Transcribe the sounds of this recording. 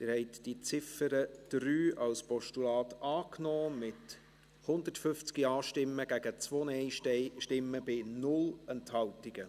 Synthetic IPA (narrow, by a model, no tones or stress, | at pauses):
t̪ɪːɾhɛɪt̪d̥it͡sɪfəɾəd̥ɾyːɑlspɔʃtulɑːt̪ɑːknɔːmɪt | hʊnd̪ətfʏft͡skiɑːʃtɪmːəɡ̥æɡ̥ət͡sʋoːnɛɪʃtɪmːəbɪnʊlɛnthɑltiɡ̥ə